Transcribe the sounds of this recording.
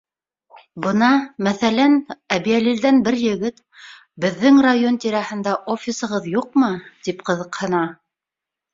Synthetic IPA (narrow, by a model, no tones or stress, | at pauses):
bɤ̆nɑmæθælænæβiælild̪ænbɘɾjɘ̆ɡɘt̪ | bɘ̆ðːɘŋrajo̞nt̪iɾæhɘ̆nd̪æʔofʲisɤ̆ʁɤðjuq̚mɤt̪ipqɤ̆ðɤ̆qhɤ̆nɑ